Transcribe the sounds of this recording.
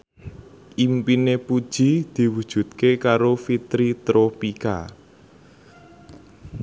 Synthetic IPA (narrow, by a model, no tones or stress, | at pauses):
ʔimpinepud̥ʒ̥id̪̥i̤wud̥ʒ̥ṳt̪̚kekaɾofit̪ɾit̪ɾopika̰